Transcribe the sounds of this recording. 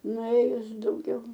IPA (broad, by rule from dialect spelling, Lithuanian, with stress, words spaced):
nʊˈeːjʊs dɐʊˈɡʲɛʊ